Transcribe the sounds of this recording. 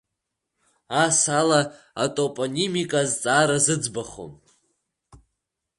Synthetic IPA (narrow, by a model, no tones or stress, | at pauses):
asala | atʼopʼonimikʼazt͡sʼaɾazɨd͡zbaχo̰m